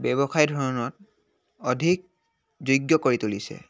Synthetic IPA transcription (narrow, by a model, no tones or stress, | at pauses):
bɛbɔxajdʱɔɹɔnɔt̚ | ɔdʱik̚ | zojɡjɔkoɹitulisɛ̰